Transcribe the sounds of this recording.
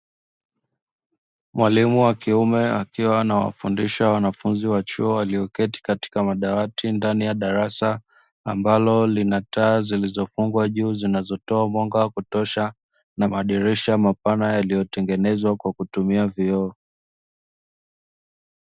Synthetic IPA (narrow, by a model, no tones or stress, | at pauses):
mwalimuwakiumɛakiwaːnawa̰fundiʃawanafunziwat͡ʃuɔwaliɔkɛti̥kati̥kamaɗawatindanijaɗaɾasaː | mbalɔlinataːzilizɔfuŋɡwaʄuːzinazɔtɔamwɔŋɡawakutɔʃa | namaɗiɾiʃamapanajalijɔtɛŋɡɛnɛzwakwakutumiaviɔː